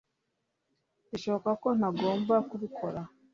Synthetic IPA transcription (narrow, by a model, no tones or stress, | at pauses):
iʃo̞βo̞kako̞n̥aɡo̞ːmbakuβikʰo̞ɾa